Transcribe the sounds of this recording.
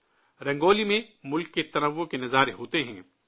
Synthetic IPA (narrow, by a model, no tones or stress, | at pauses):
ɾɛ̃ŋɡoːlimẽmʊlkːet̪ɐnɐʋːõkenɐzaːɾeɦoːt̪eɦɛ̰̃ː